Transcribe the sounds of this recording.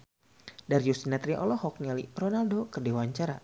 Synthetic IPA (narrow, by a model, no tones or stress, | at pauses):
daɾjust̪inat̪ɾiʔɔ̰lɔhɔk̚nialḭrɔnaldokərdewaɲt͡ʃaɾa